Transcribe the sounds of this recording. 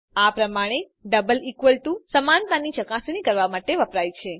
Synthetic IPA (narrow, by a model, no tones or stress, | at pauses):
apɾəmaɽ̃e | ɖəbəlikʋəlʈusəmant̪anit͡ʃəkasnikəɾʋamaʈeʋəpɾajt͡ʃʰe